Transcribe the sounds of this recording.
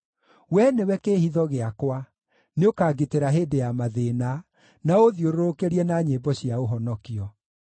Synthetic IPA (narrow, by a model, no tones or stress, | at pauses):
wɛnewɛkehiðɔɣeakwa | neokaːɡeteɾaɦeːdejamaðena | naoðioɾoɾokeɾiɛnaɲebɔɕiaoɦɔnɔkiɔ